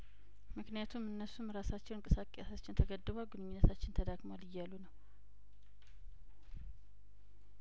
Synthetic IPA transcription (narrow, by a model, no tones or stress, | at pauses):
mɨknijat̪ʰumɨnːəsumɾasat͡ʃːɛwɨnŋkʼɨsakʼejasat͡ʃːɪnt̪ʰəɡəd̪ːɨβalɡɨnɨɲːinːət̪ʰat͡ʃːɪnt̪ʰəd̪aɡmalɪjːalːunəw